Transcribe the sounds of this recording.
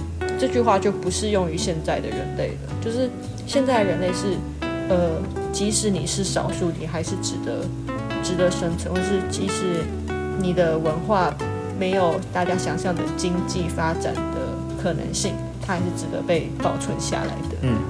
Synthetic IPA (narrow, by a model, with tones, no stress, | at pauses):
ʈ͡ʂɤ˥˧t͡ɕy˥˧xwa˥˧t͡ɕjo˥˩ʊpu˧˥ʂɻ̩˥˧jʊ˥˩ŋy˧˥ɕjɛ˥˧nt͡sa˥˩ɪd̪ə̰˩ɻə˧˦˥nle˥˩ɪlə˩t͡ɕjo˥˧ʊʂɻ̩˥˧ | ɕjɛ˥˧nt͡sa˥˩ɪd̪ə˩ɻə˧˥nle˥˧ɪʂɻ̩˥˩ | ə˧ | t͡ɕi˧˥ʂɻ̩˧˥nḭ˨˩ʂɻ̩˥˩ʂɑ˨˩ʊʂu˥˩ni˨˩xa˧˥ɪʂɻ̩˥˩ʈ͡ʂɻ̩˧˩d̪ə˧˦ | ʈ͡ʂɻ̩˧˥d̪ə˧˦ʂə˥ŋt͡sʰwə˧˥nxwʂɻ̩˥˩t͡ɕi˧˥ʂɻ̩˧˥ | ni˨˩d̪ə˦wə˧˥nxwa˥˩ | me˧˥ɪjo˨˩ʊt̪a˥˩t͡ɕja˥ɕjɑ˨˥˩ŋɕjɑ˥˩ŋd̪ə˩t͡ɕi˥ŋt͡ɕi˥˩fa˥ʈ͡ʂa̰˨˩nd̪ə˦ | kʰɤ˨˩nə̰˧˥ŋɕi˥˩ŋ | t̪ʰa˥xa˧˥ɪʂ̩˥˩ʈ͡ʂɻ̩˨˩d̪ə̰˧˦pe˥˧ɪpɑ˨˩ʊt͡sʰwə˧˥nɕja̰˥˩la̰˧˥ɪd̪ə̰˦